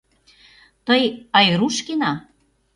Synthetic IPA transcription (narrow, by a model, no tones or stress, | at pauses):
t̪əjɑjruʃkenɑ